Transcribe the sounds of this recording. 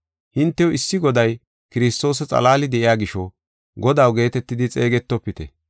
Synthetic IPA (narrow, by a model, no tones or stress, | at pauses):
hɪnt̪ːɛjɔɪsːɪɡɔd̪ɐj | kɪɾɪst̪o̞ːs̬ɐt͡sʼɐ̰laːlɪd̪ɛʔɪjaːɡɪʃɔ | ɡɔd̪ɐwɡe̞ːt̪ɛt̪ːɪd̪ɪt͡sʼeːɡɛt̪ːɔpːɪt̪ɛ